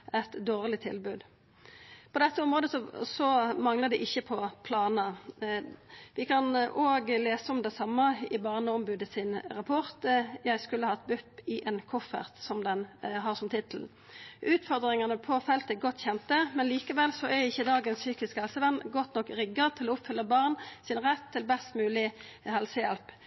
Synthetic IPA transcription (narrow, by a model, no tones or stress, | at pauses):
ɛt̪d̪oːʁlɪt̪ʰɪ̰lbʉːd̪ | pʰɔd̪ɛt̪ːəɔmʁoːd̪əsɔsɔmɑŋləd̪ɛʔɪçːəpʰɔpʰlɑːnə | ʋɪkʰɑnʔoːɡleːsəɔmd̪ɛsɑmːɑɪbɑʁnəɔmbʉːd̪əsɪnɾɑpʰɔʁt̪jæɪskʉlːəhɑt̪bʉpːɪʔɛnkʰʊfːə̰ʁt̪sɔmd̪ɛnɦɑːʁsɔmt̪ʰɪt̪l̩ | ʔʉːt̪fɔʁd̪ʁɪŋɑnəpʰɔfɛlt̪əɡɔt̪ːçɛnt̪əmɛnliːkəʋɛlsɔɛɪçːəd̪ɑːɡənssyːkɪskhɛlsəʋɛnːɡɔt̪nɔkɾɪɡːət̪ʰɪlɔʊpfʏlːəbɑʁnsɪnʁɛt̪ʰːɪlbɛst̪mʉːlɪ | hɛlsəjɛlp